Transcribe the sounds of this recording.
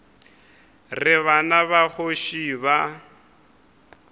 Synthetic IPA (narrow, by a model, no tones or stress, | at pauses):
rɪβanaβaɣoʃiːβa